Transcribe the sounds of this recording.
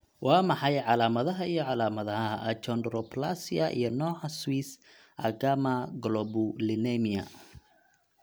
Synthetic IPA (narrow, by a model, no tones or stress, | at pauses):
wɑːmɑħɑjʕɑlaːmɐðɐɦɐijɔʕɑlaːmɐðɐɦɐʔɐt͡ʃɔnd̪rɔpʰlasiɐʔḭjɞnɔːʕɑswiːs | ʔɐ̰ɡamɐɡlɔbʊlɪnɛmiɐ̰